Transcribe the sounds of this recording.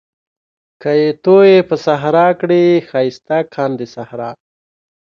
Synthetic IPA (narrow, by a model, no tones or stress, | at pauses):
kəjet̪ojepəsaɦɾɑkɽixɑjst̪akʰɑːnd̪esahɾɑ